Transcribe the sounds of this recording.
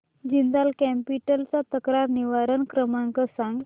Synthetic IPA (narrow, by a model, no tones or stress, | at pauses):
d͡ʑind̪alkɛmpiʈəlt͡sat̪əkɾaɾniʋaɾənkɾəmãŋkəsãŋɡ